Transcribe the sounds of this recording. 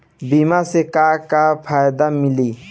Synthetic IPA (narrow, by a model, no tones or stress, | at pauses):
bimasekakapʰajd̪amɪli